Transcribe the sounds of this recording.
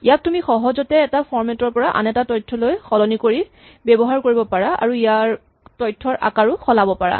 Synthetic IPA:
ijak̚tumixɔɦɔzɔtɛːtafʰɔɹmɛtɔɹpɔɹaʔa̰nɛtatɔjtʰːɔlojxɔlɔnikoɹi | bɛbɔɦaɹkoɹibɔpaɹaa̰ɹuijaɹ | tɔjtʰːɔɹʔa̰kaɹʊxɔlabɔpaɹa̰

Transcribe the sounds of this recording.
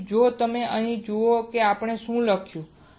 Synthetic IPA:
d͡ʒot̪əmeʔəɦĩd͡ʒookeapɳ̃eʃũləkʰjũ

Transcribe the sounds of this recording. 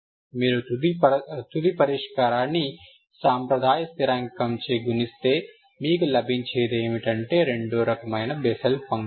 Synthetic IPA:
miːɾu | t̪ud̪ipɐɾeːʃkaːɾaːni | saːmpɾɐd̪ʱaːjɐst̪iɾaːŋɡkɐmt͡ʃeːɡunist̪eː | miːɡɐlɐbint͡ʃʰeːjd̪emiʈɐɳʈeːɾeɳɖoːɾɐkɐmɐjnɐbesɐlpɐŋɡ

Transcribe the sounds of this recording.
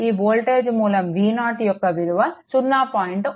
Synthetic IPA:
iːboːlʈeːd͡ʒmuːlɐmʋiːnaːʈijɔkːɐʋiɾuʋɐt͡ʃunːaːpaːjiɳʈ

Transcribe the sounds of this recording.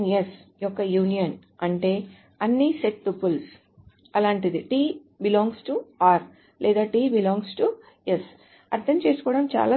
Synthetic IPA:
njesjɔkːɐjuːnijɐn | ɐɳʈe̞ː | ɐnːiseʈ̪ːupːuls | ɐlaːɳʈid̪iʈiː | bilɔːŋɡsʈuaːɾ | lʔɛːd̪aːʈiːbilɔːŋɡsʈu | jes | ɐɾd̪ʱɐmt͡ʃeːsu̥kɔːɽɐmt͡ʃa̰ːlaː

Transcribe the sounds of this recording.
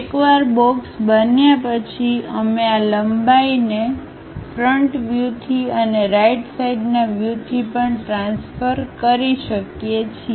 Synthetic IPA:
ekʋaɾbɔksbənjapət͡ʃʰiəmealəmbaine | fɾəɳʈʋjut̪ʰiəneɾaiʈsaiɖnaʋjut̪ʰipəɳʈɾãnsfəɾkəɾiʃəkjet͡ʃʰi

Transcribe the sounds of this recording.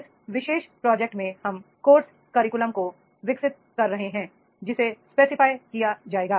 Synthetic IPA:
s | ʋɪʃeːʃpɾɔːd͡ʒɛk̚ʈmẽhɐmkoːɾs | kɐɾɪkʊləmko | ʋɪksɪt̪̚kɐɾːɐɦeɦɛ̃ː | d͡ʒɪsespeːsɪfaːjkijad͡ʒaːeːɡaː

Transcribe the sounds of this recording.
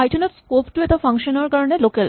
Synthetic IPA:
ajʈʰoneʈskopʈuet̪afaŋʃonoɾkaɾonelokel

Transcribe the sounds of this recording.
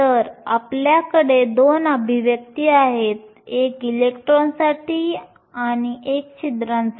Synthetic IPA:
t̪əɾa̰pljakəɽed̪onəbʱiʋjək̚t̪iːaɦet̪̚ | ekilekʈɾonsaʈiː | añiʔek̚t͡ɕit̪ɾãns

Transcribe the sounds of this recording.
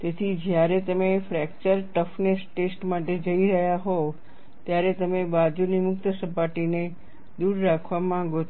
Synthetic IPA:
t̪et̪ʰid͡ʒjaɾet̪əmefɾɛk̚t͡ʃəɾʈəfnesʈesʈmaʈed͡ʒəiɾəɦjaɦo | t̪jaɾet̪əmebad͡ʒunimʊkt̪əsəpaʈine | d̪uɾːakʰʋamãɡo

